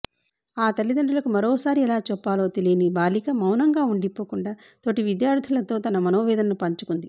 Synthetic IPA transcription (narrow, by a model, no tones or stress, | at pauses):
aːt̪ɐlːid̪ɐɳɖulɐkumɐɾɔːsaːɾiɛlaːt͡ʃɔpːaːlo̞ːt̪elijnibaːlikɐmɐwnɐŋɡaːuɳɖipoːkuɳɖaː | t̪oʈiʋid̪jaːɾd̪ʱulɐt̪o̞ːt̪ɐnɐmɐnoːʋɛːd̪ɐnɐnupɐɲt͡ʃukund̪i